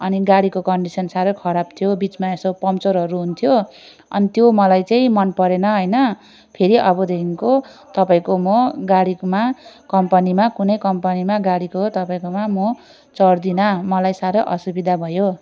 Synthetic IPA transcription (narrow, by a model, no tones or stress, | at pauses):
ʌniɡaɽikokʌɳɖisʌnsaɾʌkʰʌɾab̚t̪ʰjobit͡smaesopʌmt͡soɾɦʌɾuɦunt̪ʰjo | ʌ̰nit̪jomʌlajt͡saĩmʌnpʌɾenʌɦʌjnʌ | pʰeɾiʔʌbʌd̪ʱeiŋkot̪ʌpaĩkomoɡaɽimakʌmpʌnimakunʌjkʌmpʌnimaɡaɽikot̪ʌpaĩkomamo | t͡sʌrd̪inʌmʌlajsaɾʌʔʌsubid̪ʱabʱʌjo